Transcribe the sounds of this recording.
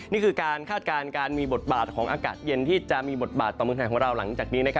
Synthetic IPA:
niː˥˩kʰɯː˧kaː˧nkʰaː˥˩t̪̚kaː˧nkaː˧nmiː˧bo˨˩t̪̚baː˨˩t̪̚kʰɔː˩˦ŋʔa̰ː˧kaː˨˩t̪̚je˧nt̪ʰiː˥˩t͡ɕa˨˩ʔmiː˧bo˨˩t̪̚baː˨˩t̪ːɔː˨˩m˧ŋʰaː˨˩kʰɔ˩˦ɾa˧wla˩˦ŋt͡ɕaː˨˩k̚niː˦˥na˦˥kʰa˦˥

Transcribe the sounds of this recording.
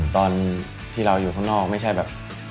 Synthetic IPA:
t̪ɔː˧n | t̪ʰiː˥˩ɾa˧wjuː˨˩kʰa˥˩ŋnɔː˥˩k̚ma˥˩jt͡ɕʰa˥˩jbɛː˨˩p̚

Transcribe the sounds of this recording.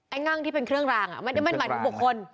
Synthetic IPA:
ʔa˧˩jŋa˥˩ŋt̪ʰiː˥˩pe˧nkʰɾɯ˥˩əŋɾaː˧ŋʔa̰˨˩ma˧˩n˥˩ma˧nma˨˦t̪u˨˧˩bu˨˩kʰːo˧n

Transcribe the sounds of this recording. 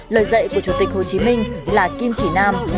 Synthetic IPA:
ləː˨˩jzə̰˧˨jku˧˩ət͡ɕu˧˩t̪ï˨˩k̟̚ho˨˩t͡ɕi˨˦mï˧ŋ̟laː˨˩ki˧mt͡ɕi˧˩naː˧m

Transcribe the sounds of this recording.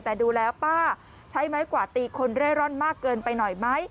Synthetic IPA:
t̪ɛː˨˩duː˧lɛː˦˥wpaː˥˩ | t͡ɕʰa˦˥jma˦˥jkwaː˨˩t̪iː˧kʰo˧nɾaː˥˩jɾɔ˥˩nmaː˥˩kːɤː˧npa˧jnɔ˨˩jma˦˥j

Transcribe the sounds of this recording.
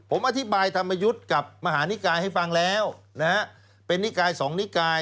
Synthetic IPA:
pʰo˩˦mʔa˧t̪ʰi˦˥baː˧jt̪ʰa˧mːa˧ju˦˥t̪̚ka˨˩p̚ma˧ɦaː˩˦ni˦˥kaː˧jha˥˩jfa˧ŋlɛː˦˥wna˦˥ | pe˧nːi˦˥kaː˧jsɔː˩˦ŋni˦˥kaː˧j

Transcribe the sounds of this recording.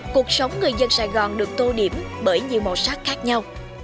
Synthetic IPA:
ku˨˩ək̚sə˨˦wŋ͡mŋɨ˨˩əjzə˧nsaː˧˩jɣɔ˨˩nɗɨ˨˩ək̚t̪o˧ɗi˧˩əmɓəː˧˩jɲḭ˨əwmo˨˩saː˦˥k̚xaː˦˥k̚ɲa˧w

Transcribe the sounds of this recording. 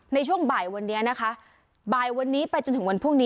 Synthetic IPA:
na˧t͡ɕʰu˥˩əŋbaː˨˩jwa˧nːi˦˥ɐna˦˥kʰa˦˥ʔ | baː˨˩jwa˧nːiː˦˥pa˧jt͡ɕo˧nt̪ʰɯ˩˦ŋwa˧npʰu˥˩ŋniː˦˥

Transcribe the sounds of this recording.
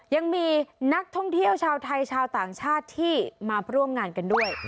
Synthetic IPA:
ja˧ŋmiː˧na˦˥k̚t̪ʰɔ˥˩ŋt̪ʰi˥˩əwt͡ɕʰaː˧wt̪ʰa˧jt͡ɕʰaː˧wt̪aː˨˩ŋt͡ɕʰaː˥˩t̪ʰːiː˥˩maː˧ɾu˥˩əmŋaː˧nka˧ndu˥˩əj

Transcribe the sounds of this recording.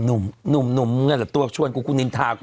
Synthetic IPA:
nʊ˨˩˦mnu˨˩˦mnu˨˩˦mŋa˧˨laː˨˩t̪u˧su˧a˧nku˧˦ku˧˦ni˧˦nt̪ʰaː˨˦

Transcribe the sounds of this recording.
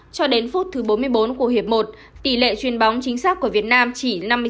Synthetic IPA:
t͡ɕɔ˧ɗe˨˦nfu˦˥t̚t̪ʰɨ˨˦ɓo˨˦nmɨ˧əjɓo˨˦nku˧˩əɦi˨˩əp̚mo˨˩t̚ | t̪ḭ˧˩lḛ˧˨t͡ɕwi˧˩ənɓa˨˦wŋ͡mt͡ɕï˨˦ŋ̟saː˦˥k̚ku˧˩əvi˨˩ət̚naː˧mt͡ɕi˧˩na˧mːɨ˧

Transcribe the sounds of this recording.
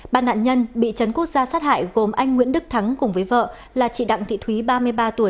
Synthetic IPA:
ɓaː˧nːa̰ː˧˨nɲə˧nɓḭ˧˨t͡ɕə˨˦nku˦˥ək̚z̥aː˧saː˦˥t̚ha̰ː˧˨jɣo˨˩mʔa˧jŋ̟ŋwi˧˥ənɗɨ˦˥k̚t̪ʰa˨˦ŋkʊ˨˩ŋ͡mvəː˨˦jvə̰ː˧˨ | laː˨˩t͡ɕḭ˧˨ɗa̰˧˨ŋt̪ʰḭ˧˨t̪ʰwi˨˦ɓaː˧mɨ˧əjɓaː˧t̪u˧˩əj

